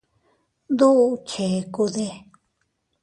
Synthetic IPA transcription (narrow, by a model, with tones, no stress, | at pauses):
nd̪u˦u˧t͡ʃʰe˨˧ku˧ðe˧